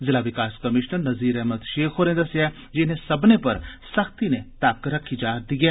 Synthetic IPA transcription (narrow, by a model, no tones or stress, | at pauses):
zɪlaʋɪkaːskɐmɪʃnəɾnɐziːɾɛɦməd̪ʃeːkʰɦoːɾẽnd̪ɐsja | d͡ʒɪnesɐbnepɐɾsɐxt̪inet̪aːkɾɐkʰid͡ʒaːd̪iɡɛː